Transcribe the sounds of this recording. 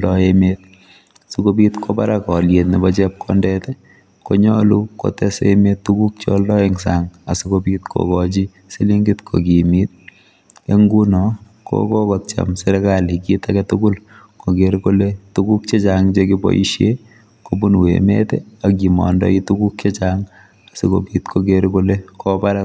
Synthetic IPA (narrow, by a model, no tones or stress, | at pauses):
dɔemet̚ | sukobitkʰobaɾakɔljetnibɔt͡ʃɛp̚kʰɔ̰ndɛtɛ | koɲɔluko̰tɛsḛmetːukuk̚t͡ʃoldɔeŋsaŋasukobit̚kʰo̰kɔt͡ʃi | siliŋɡitkʰo̰kimit̚ | eŋɡunɔ | ko̰kɔkɔt̚t͡ʃa̰msɛɾɛkalikitaɡɛtuɡul | koɡeɾkoletukuk̚t͡ʃet͡ʃaŋt͡ʃekibɔ̰ʔḭʃje | kobunwḛmḛtɛak̬imɔ̰ndɔ̰itukuk̚t͡ʃet͡ʃaŋ | asiko̰pitkʰokeɾkolekɔbaɾa